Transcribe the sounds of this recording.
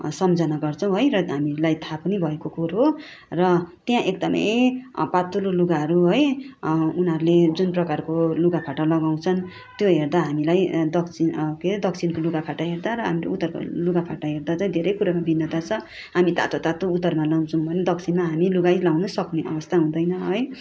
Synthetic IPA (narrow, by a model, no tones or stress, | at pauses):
sʌmd͡zʌnaɡʌrt͡sʰʌw̃ɦojrʌɦamilajt̪ʰapʌnibʱʌekokuɾɦo | rʌt̪jãʔek̚d̪ʌmʌ̰jpat̪uloluɡaɦʌɾuɦoj | unɦʌɾuled͡zunprʌkarkoluɡapʰaʈalʌɡaw̃t͡sʰʌn | t̪joɦerd̪aɦamilajd̪ʌkt͡sʰinked̪ʌk̚t͡sʰinkoluɡapʰaʈaɦerd̪aɾʌɦa̰milḛut̪ːʌrkluɡapʰaʈaɦerd̪at͡saĩd̪ʱeɾʌjkuɾamabinːʌt̪at͡sʰʌ | ɦamit̪a̰t̪ot̪at̪out̪ːʌrmalʌw̃t͡sʰʌũbʱʌned̪ʌk̚t͡sʰinmaɦamiluɡajlawnʌsʌkneʔʌ̰bʌst̪ʰaɦũd̪ʌjnʌɦʌj